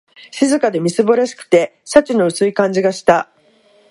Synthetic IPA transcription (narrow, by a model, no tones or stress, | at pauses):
ɕizɨkad̪e̞mʲisɨbaɾaɕi̥kɯ̥t̪e̞ɕat͡ɕino̞ɯ̟sɨikãɲ̟d͡ʑiɡaɕi̥t̪a